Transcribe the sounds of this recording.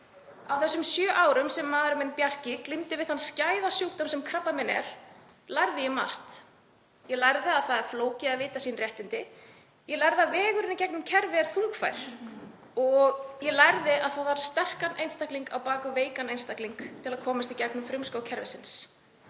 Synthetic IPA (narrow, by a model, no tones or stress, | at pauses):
awθɛsːʏmsjœːʔaːwɾʏmsɛmːaːðɾmɛnpjar̥cɪklimt̪ɪvɪðhanscaːjðasjuːt̪ɔmsɛmkʰɾapːamɪnɛ̰ɾ̥lajɾðɪjɛma̰r̥t̪ | jɛlajɾðɪaðθaðɛɾ̥floːwcɪaðvɪːt̪asiːnrjɛht̪ɪnt̪ɪ | jɛlajɾðavɛːɣʏɾɪnɪcɛknʏmcʰɛɾvɪɛɾ̥θuŋkfa̰jɾ̥ | ɔɣjɛlajɾðɪaðθaðvaɾ̥st̪ɛr̥kanʔḛjnst̪akliŋkawpaːkʏveːjkanejnst̪akliŋkt̪ʰɪlaðkʰɔːmast̪icɛknʏmfɾʏmskowcʰɛɾvɪsɪns